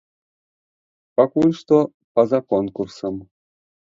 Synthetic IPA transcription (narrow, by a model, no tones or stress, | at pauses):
pɑkunʲʂt̪o | pɑzɑkonkursɤ̆m